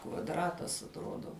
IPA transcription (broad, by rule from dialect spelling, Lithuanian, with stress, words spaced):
kʋɐdˈrɑːtɐs ɐtˈroːdoː